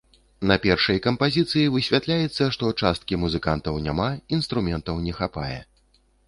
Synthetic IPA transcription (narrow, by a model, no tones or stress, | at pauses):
nɐpʲɛrʂɐjkɐmpazʲit̪sɨjivɨsʲvʲat̪lʲajɛt̪sːɐʂt̪ɔt͡ʂast̪̚kʲimuzɨkant̪ɐwnʲa̰mainst̪ɾumʲɛnt̪ɐwnʲɛxapa̰jɛ̰